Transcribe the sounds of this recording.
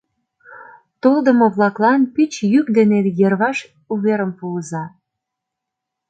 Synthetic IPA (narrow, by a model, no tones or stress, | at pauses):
t̪old̪ə̆moβlɑklɑnpyt͡ɕjykd̪enejerβɑʃ | uβeɾəmpuəzɑ